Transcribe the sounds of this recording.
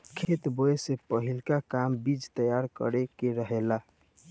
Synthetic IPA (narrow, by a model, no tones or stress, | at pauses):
kʰet̪boesepəɦilkakambid͡ʒt̪əjaɾkə̰ɾekeɾəɦela